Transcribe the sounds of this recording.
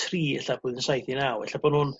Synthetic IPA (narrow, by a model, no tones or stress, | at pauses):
tʰriːɛɬabʊːðənsajθinawɛ̰ɬabɔnhʊːn